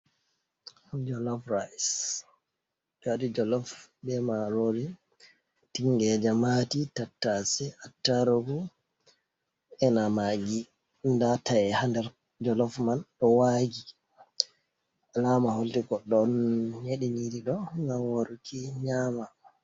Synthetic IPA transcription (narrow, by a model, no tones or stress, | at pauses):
d͡ʒɔlɔfɾajs | d͡ʒadid͡ʒɔlɔfbɛmaɾodi | tiŋɡɛd͡ʒamatitatːasɛatːaɾoɡu | ɛnamaɡi | ndatajɛhandɛɾ | d͡ʒɔlɔfmanɗɔwaɡi | alamaholtiɡɔɗɔnɲeɗiniɾiɗɔŋɡamwoɾukiɲama